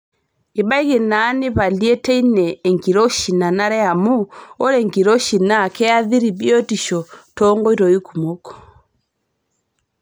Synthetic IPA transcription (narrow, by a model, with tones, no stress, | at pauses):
i˨ɓa˦i˦ɣe˨naː˨˦nɪ˦βa˨ljɛ˦tɛ˦i˦nɛː˨ŋɡi˨ɾɔ˦ʃi˨na˨na˦ɾɛ˦a˨mu˦ɔ˦ɾɛ˨ŋɡi˨ɾɔ˦ʃi˨na˦˨kʰɛ˦a˦ði˦ɾi˨bi˦ɔ˦ti˨ʃɔ˨tɔ˦ŋɡɔ˦i˦ɾɔ˨i˦ku˨mɔ˦kɔ̥˨